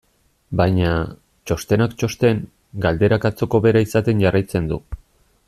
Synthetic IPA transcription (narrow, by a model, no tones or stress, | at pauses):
bajɲa | t͡ʃo̞st̪e̞nakt͡ʃo̞st̪e̞ŋ | ɡald̪e̞ɾakat͡so̞ko̞βe̞ɾaisat̪e̞nʝarajt͡se̞nd̪u